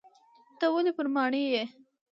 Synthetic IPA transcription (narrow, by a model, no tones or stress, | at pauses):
t̪awəlepəɾmɑɳəje